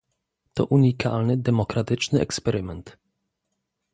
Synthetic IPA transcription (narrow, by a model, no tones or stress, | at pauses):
t̪ɔ̰ʔuɲika̰lnɘd̪ɛmɔkɾat̪ɘt͡ʂnɘɛ̰kspɛɾʔɪmɛnt̪